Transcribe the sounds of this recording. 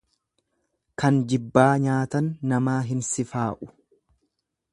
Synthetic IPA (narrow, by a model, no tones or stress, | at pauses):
kɐnd͡ʒɪbːaːɲaːt̪ɐnːɐmaːɦɪnsɪfaːʔʊ̥